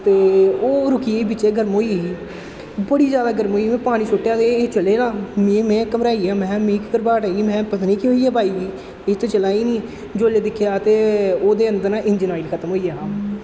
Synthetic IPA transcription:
t̪eːoːɾʊkiːbɪt͡ʃːeːɡəɾmɦoːiːiː | bəɽiːzjaːd̪aːɡəɾmɦoːiːmɛ̃ːpaːɽ̃iːt͡ʃʰʊʈːjaːt̪et͡ʃəleːnãːmẽmɛ̃ːkəmɾaːiːãːmɛ̃ːmiːkkəɾbaːʈaːiːmɛ̃ːpət̪niːkiɦoːiːaːbʱaːiːd͡ʒi | et̪õːt͡ʃəlaːiːnĩː | d͡ʒoːleːd̪ɪkʰjaːət̪eːoːd̪eːənd̪əɾnãːʔɪnd͡ʒnaːilkʰət̪əmɦoːiːaːɦãː

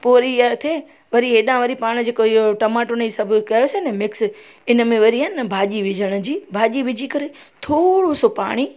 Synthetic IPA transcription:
poːɾijaɾt̪ʰe | ʋɐɾiɦeːɗãʋɐɾipaːɽ̃d͡ʑeːkoɪɦoʈɐmaːʈʊnisɐbʱʊkɐjosenɛmɪks | ɪnəmẽʋɐɾiɦənbʱaːʄiʋɪd͡ʑʱəɽ̃ʊ̆d͡ʑiːbʱaːʄiʋɪd͡ʑʱikɐɾe | t̪ʰoːɽosopa̰ːɽ̃i

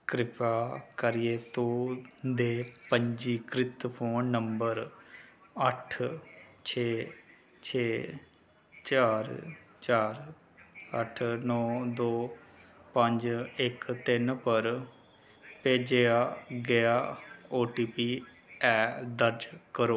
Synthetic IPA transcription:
kɾɪpaːkəɾijeːt̪oːd̪eːpəɲd͡ʒiːkɾɪt̪pʰoːnːəmbəɾ | əʈʰt͡ʃʰeː | t͡ʃʰeː | t͡ʃaːɾt͡ʃaːɾ | əʈʰnɔːd̪oːpəɲd͡ʒɪkt̪ɪnpəɾ | peːd͡ʒeaːɡeaːoːʈiːpiː | ɛːd̪əɾd͡ʒkəɾoː

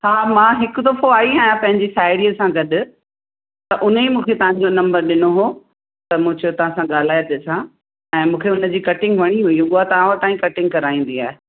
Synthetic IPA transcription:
haːmãːɦɪkʊt̪ɐfoaːiɦaːjãpɐ̃ɦɪ̃ɲd͡ʑisaːɪɽiəsãɡɐɗ | t̪ɐʔʊnimũːkʰet̪ɐʋ̤ãɲ̆d͡ʑonɐ̃mbəɾɗɪnoɦoː | t̪ɐmũd͡ʑot̪ɐʋ̤ãsãɠaːl̤aːjt̪eːsã | ɛ̃ːmũːkʰeʊnə̆d͡ʑiːkɐʈɪ̃ŋɡʋɐɽ̃iɦʊiũɓʊat̪ɐaːʋãt̪aːĩkɐʈɪ̃ŋɡ̚kɐɾaːĩːn̆d̪iaːɦe

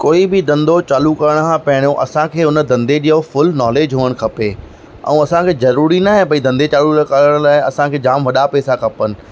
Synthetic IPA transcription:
koːibɪd̪ɐ̃nd̪ʱot͡ɕaːlukɐɾəɽ̃kʰãpɐɦɪɽ̃jõʔɐ̰sãkʰeːʊnə̆d̪ɐ̃nd̪ed͡ʑiːɦofʊlnɔːleːd͡ʑɦuːəɽ̃̆kʰɐpe | ɛ̰̃ũɐsãkʰeːzɐɾuːɾinaɦẽpɐid̪ɐ̃nd̪et͡ɕaːluɾkəɾəɽ̃laːɪɐsãkʰeːd͡ʑaːmʋɐɗapɛːsakʰɐpənɪ̆

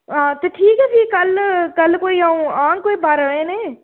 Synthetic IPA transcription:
ɦãːt̪eːʈʰiːkɦɛːsiːkəlkəlkoːiːaũːãːkoːiːbaːɾəɽẽːneː

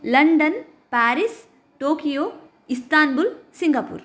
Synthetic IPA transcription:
lɐɳɖɐn | paːɾis | ʈoːkijoː | ist̪aːnbulsiŋɡɐpṵːɾ

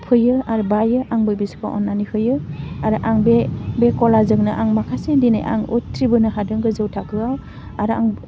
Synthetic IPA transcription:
pʰɯjɯaɾubajɯʔaŋbɯjbisɯ̥kʰaʔɔ̰nːanihɯjɯaɾɯʔaŋbebekɔlazɯŋnɯʔaŋmakʰasedina̰jʔa̰ŋutʰɾibɯnɯɦadɯŋɡɯzɯwtʰakɯaw | aɾa̰ŋ

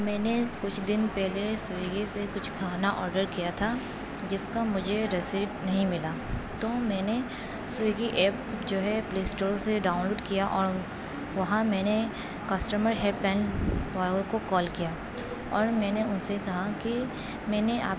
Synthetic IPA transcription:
mɛːnekʊt͡ʃʰd̪ɪnpɛɦlesʊeɡisekʊt͡ʃʰɡʰʱaːnaʔɔːɾɖəɾkijat̪ʰa | d͡ʒɪskamʊd͡ʒʱeɾesiːɖnɐɦĩmɪlaːt̪oːmɛ̃ːne | sʊeɡiʔɛːp̚d͡ʒoːɦɛpleːsʈoːɾseɖaːʊnloːɖkijaʔɔːɾ | ʋɐɦãmɛ̃ːne | kɐsʈəməɾɦeːplɛ̃ːnʋaːɡõkokɔːlkijaː | ɔːɾmɛ̃ːneʊnsekɐɦaki | mɛ̃ːneʔa̰ːp

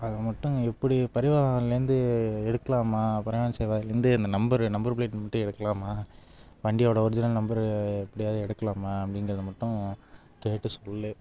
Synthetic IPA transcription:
ɐðɐmɐʈːʊ̃ɛpːɐɽipɐɾɪʋaːɣɐlɪnd̪ɯɛɽɯkːɐlaːmaːpɐɾɐʋaːnɐsɛjʋaːðɪlɾɪnd̪ɯɐnd̪ɐnɐmbɐɾnɐmbɐɾpɭeːʈnmɐʈːɯ̃ɛɽɯkːɐlaːmaː | ʋɐɳɖɪjoːɽɐɔɾɪd͡ʒɪnɐlnɐmbɐɾɛpːɐɽɪjaːðɯɛɽɯkːɐlaːmaɐpːɐɽɪŋɡɪɾɐðɐmɐʈːʊ̃ | keːʈːɯsɔlːɯ

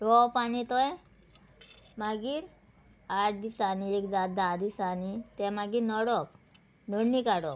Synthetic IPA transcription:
ɾɔpañit̪ɔj | maɡiːɾ | aʈ̚ʰd̪isaniekd͡zat̪̚d̪ad̪isanit̪ɛ̃maɡiːɾnɔɽɔk | nɔɽnikaɽɔk

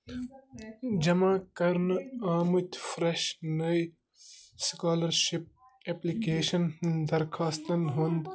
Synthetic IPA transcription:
d͡ʒɐmaːkɐɾnaːmut̪ʲfɾeʃnɐj | skaːlɐɾʃip̚ | eplikeːʃɐnd̪ɐɾkʰaːst̪ɐnɦund̪

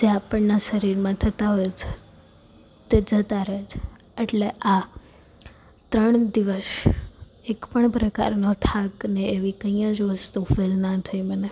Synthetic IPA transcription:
d͡ʒeapəɳnaʃəɾiɾmãt̪ʰət̪aɦɔjet͡ʃʰe | t̪ed͡ʒət̪aɾed͡ʒʰ | eʈleʔa | t̪ɾəɳ̃d̪iʋəs | ekpəɳpɾəka̰ɾnot̪ʰakneeʋikəĩjãd͡ʒost̪ofelnat̪ʰəiməne

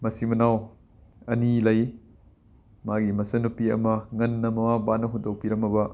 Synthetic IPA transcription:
mɐsimɐnaw | ɐnilɐj | maɡimɐsɐnupiɐ̰mɐŋɐnːɐmɐmabanːɐɦudɐwpiɾɐmɐbɐ

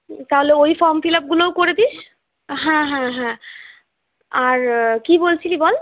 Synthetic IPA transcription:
t̪aɦoleojfɔɾmfilap̚ɡulowkoɾed̪iʃ | ɦãɦãɦã | aɾkibolt͡ɕʰilibɔl

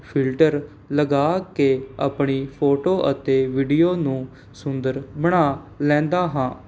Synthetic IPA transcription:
pʰɪlʈəɾ | ləɡaːkeːa̰ːpɳiːpʰoːʈoːʔət̪eːʋiːɖijoːnũː | sʊnd̪əɾbəɽ̃aː | lɛ̃ːnd̪aːɦãː

